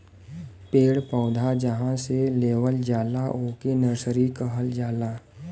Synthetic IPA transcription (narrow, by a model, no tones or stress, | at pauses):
peːɽpɔːd̪ʱad͡ʒəɦãseleːʋəld͡ʒaːlaʔoːkenəɾsəɾikəɦəld͡ʒaːlaː